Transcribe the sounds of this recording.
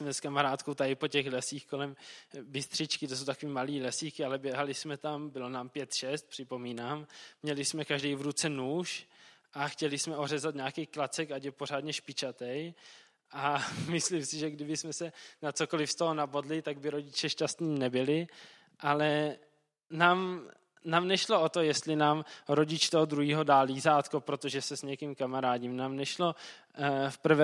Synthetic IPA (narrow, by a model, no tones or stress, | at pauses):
smɛskamaɾaːt̪kowt̪aɪpo̞cɛxlɛsiːxko̞lɛmbɪst̪r̥ɪt͡ʃkɪt̪os̬owt̪akoviːmaliːlɛsiːkɪalɛbjɛɦalɪsmɛt̪ambɪlo̞naːmpjɛt̪ʃɛst̪̚pr̥ɪpo̞miːnaːmːɲɛlɪsmɛkaʒdɛjvɾut͡sɛnuːʃʔaxcɛlɪsmɛo̞ɦrɛzat̪ɲaːkɛjklat͡sɛkacɛpo̞ɾ̝aːd̪ɲɛʃpɪt͡ʃat̪ɛj | ʔamɪslimsɪʒɛɡdɪbɪsmɛsɛnat͡soko̞lɪfst̪oɦonabodlɪt̪aɡ̚bɪɾoɟɪt͡ʃɛʃcast̪niːnɛbɪlɪ | ʔalɛ | naːm | naːmnɛʃloʔot̪o̞jɛst̪lɪnaːmɾo̞ɟɪt͡ʃt̪oɦod̪ɾuɦiːɦo̞daːliːzaːt̪kopɾo̞t̪oʒɛsɛsɲɛkimkamaɾaːdimnaːmnɛʃlo̞ | fpr̩vɛ